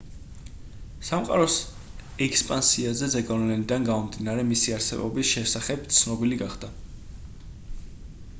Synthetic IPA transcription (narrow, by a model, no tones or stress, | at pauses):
samqʼa̰ɾɔs | ɛkspʼansiazɛd̪zɛɡɔnlɛnid̪anɡamɔmd̪inaɾɛmisiaɾsɛ̰bɔ̰bisʃɛsaχɛb̥̚t̪sʰnɔbiliɡaχd̪̥a